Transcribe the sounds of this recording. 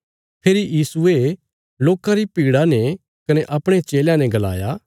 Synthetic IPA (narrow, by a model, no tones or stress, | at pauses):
pʰeːɾijiːsue | loːkãɾipiːɽanɛ | kɐnɛʔɐpɽ̃et͡ʃeːljãnɛ̃ɡɐla̰ːja